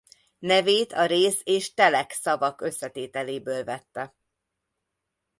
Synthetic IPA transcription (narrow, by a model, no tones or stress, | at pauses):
nɛveːt̪ʰɒɾeːseːʃt̪ɛlɛksɒvɒkø̞sːɛt̪eːt̪ɛleːbøːlvɛt̪ːɛ